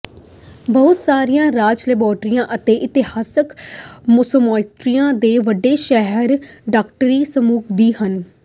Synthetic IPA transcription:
bəɦʊt̪saːɾijãːɾaːd͡ʒlɪbɔːɾʈɾijãːʔət̪eːʔɪt̪ɪhaːsəkmʊsəmɔːɪt̪ɾijãːd̪eːʋəɖːeːʃɛɦəɾɖaːkʈəɾiːsəmuːkʰd̪iːhən

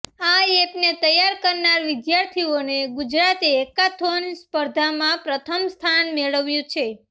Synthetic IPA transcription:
aepnet̪əjaɾkəɾnaɾʋɪd̪jaɾt̪ʰioneɡud͡ʒɾat̪eːkat̪ʰonspəɾd̪ʱamãpɾət̪ʰəmst̪ʰanmeɭəʋjũt͡ʃʰe

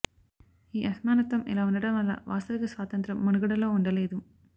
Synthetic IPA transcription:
iːʔɐsmaːnɐt̪ʋɐmɛ̰laːunɐɽɐmʋɐlːa̰ːʋa̰ːst̪ɐʋikɐsʋaːt̪ɐnt̪ɾɐmːɐnuɡɐɽɐlo̞ːuɳɖɐle̞ːd̪u

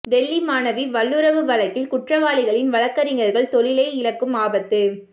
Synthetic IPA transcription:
ɖɛlːimaːnɐʋiʋɐlːɯɾɐʋɯʋɐlɐkːɪlkʊʈrɐʋaːlɪɣɐɭɪnʋɐɭɐkːɐɾɪŋɡɐɾɣɐɭt̪ɔɭɪlɐɪɪlɐkːɯmaːbɐt̪ːɯ

